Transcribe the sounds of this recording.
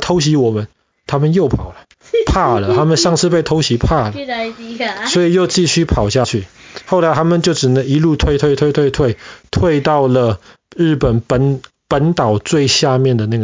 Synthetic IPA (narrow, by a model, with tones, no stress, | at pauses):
t̪ʰo˧˥ʊɕ̬i˧˥wɔ˨˩mə˦n | t̪ʰa˥mə˨njo˥˩ʊpʰɑ˨˩ʊlə˦ | pʰa˥˩lə˩t̪ʰa˥mə˨nʂɑ˥˧ŋt͡sʰɻ̩˥˧pe˥˩ɪt̪ʰo˧˥ʊɕi˧˥pʰa˥˩lə˨ | swwɔ˧˥i˨˩jo˥˧ʊt͡ɕi˥˧ɕy˥˩pʰɑ˨˩ʊɕja˥˧t͡ɕʰy˥˩xo˥˩ʊla˨˥ɪt̪ʰa˥mə˨nt͡ɕjo˥˩ʊʈ͡ʂɻ̩˨˩ə˧˦i˧˥lu˥˧t̪ʰwe˥˧ɪt̪ʰwe˥˧ɪt̪ʰwe˥˧ɪwe˥˧ɪt̪ʰwe˥˧ɪt̪ʰwe˥˧ɪt̪ɑ˥˩ʊlə˩ | ɻ̩˥˩pə˨˩npə˦n | pə˧˥nt̪ɑ˨˩ʊt͡swe˥˧ɪɕja˥˧mjɛ˥˩nd̪ə˩na˥˩ɡ